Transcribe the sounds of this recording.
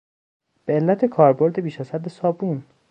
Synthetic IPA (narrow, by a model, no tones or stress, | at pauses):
b̥eelːæt̪ʰe̞kʰɒːɾbo̞ɾd̪ebiːʃæz̥hæd̪esɒːbuːn